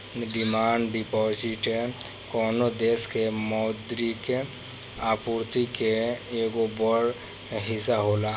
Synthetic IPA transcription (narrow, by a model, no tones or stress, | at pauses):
ɖɪmaːɳɖɖipɔːd͡ʒɪʈekɔːnod̪eːskemɔːd̪ɾike | aːpuɾt̪ikeeːɡobɔɽ | ɦɪsaɦoːla